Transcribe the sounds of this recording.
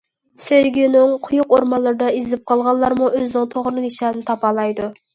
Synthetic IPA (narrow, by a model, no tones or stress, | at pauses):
søjɡʲynɪŋqʰʊjʊqoɾmɑlˠːɨɾɨd̪ɑizɪp̚qʰɑlˠʁɑlˠːɑɾmuøznɪŋt̪ʰoʁɾnɨniʃɛd̪nɪt̪ʰɑpɑlˠɑjd̪u